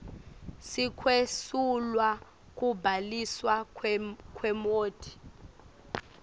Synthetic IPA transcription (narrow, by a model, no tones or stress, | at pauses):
sikʰwesulwa | k̬ʼubʱaliswa | kʼwɛmoːd̥ʰʱʼi̥